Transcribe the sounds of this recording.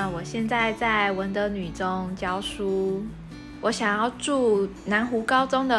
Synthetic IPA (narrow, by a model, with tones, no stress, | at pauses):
wɔ˨˩ɕjɛ˥˧nt͡sa˥˧ɪt͡sa˥˩ɪwə˧˥nt̪ə˧˥ny˨˩ʈ͡ʂʊ˥ŋt͡ɕjɑ˥ʊʂu˥ | wɔ˧˥ɕjɑ˨˩ŋjɑ˥˧ʊʈ͡ʂu˥˧ | na˧˥nxu˧˥kɑ˥ʊʈ͡ʂʊ˥ŋd̪ə˨